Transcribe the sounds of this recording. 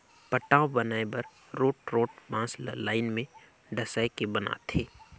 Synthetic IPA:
pəʈːaːõbɐnaːebɐɾ | ɾoːʈɾoːʈbãːslə̰laːɪnmẽ | ɖɐsaːekebəna̰t̪ʰeː

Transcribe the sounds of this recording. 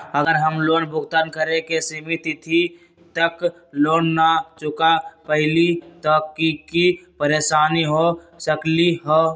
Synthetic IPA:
əɡəɾɦəmlonbʱʊɡt̪ankəɾekesimit̪it̪ʰi | t̪ək | loːnːat͡ʃukapəɦɪlit̪ɔkːikipəɾesaniɦo | səkliɦo

